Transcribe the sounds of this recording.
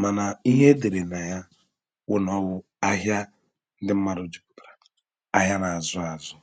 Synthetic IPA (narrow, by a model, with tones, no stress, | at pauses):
ma˨na˨i˦ɦe˦de˨ɾe˨na˨ja˦ | wʊ˦nɔ˦wʊ˦ | a˦ɦja˦ | n̩˦dɪ˦m̩˦ma˦ɾʊ˨d͡ʒu˨k̚u̥˨bɾa˨ | a˦ɦja˦na˨a˨zʊ˦a˨zʊ˦